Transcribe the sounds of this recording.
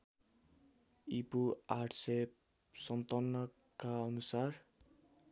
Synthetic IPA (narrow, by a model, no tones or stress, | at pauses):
ipuaʈsep | sʌnt̪ʌnːʌ | kaʌnusar